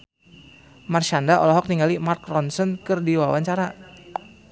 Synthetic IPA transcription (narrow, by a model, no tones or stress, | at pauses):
marʃandaʔɔ̰lɔɦɔk̚niŋalimarkrɔnsɔnkɨrdiwawaɲt͡ʃaɾa